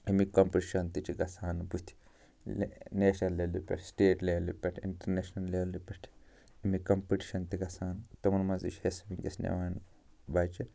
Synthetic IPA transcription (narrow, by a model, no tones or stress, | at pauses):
imikɐmpiʈiʃɐnt̪it͡ʃiɡɐsaːnbut̪ʰi̥ | neːʃnɐlːelupʲḛʈʰsʈeːʈlelṵpʲeʈʰḭɳʈɐɾneːʃnɐlːeʋlipʲeʈʰ | imikɐmpiʈi̥ʃɐnt̪iɡɐsaːnt̪ɐmɐnmɐzḭt͡ʃʰhesmiŋkḛsnḛʋaːn | baːt͡ʃi